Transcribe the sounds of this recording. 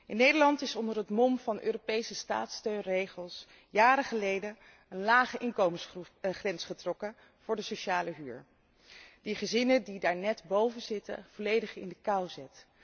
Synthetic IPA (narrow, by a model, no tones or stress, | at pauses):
ʔɪnːejdəɹlɑntɪsɔndəɹɦətmɔmvɑnʔø̰ːropejsəsta̰ːtstøɥnrejχəlˠs | jaːɾəχəlejdə | ənlaːχəʔɪŋkowməχrɛnsχətrɔkə | v̥ʊːɹdəsoʃaːləɦyːɹ | diχəzɪnədidaːɹnɛtbowvənzɪtə̰v̥ɔlejdəχɪ̰ndəkawzɛt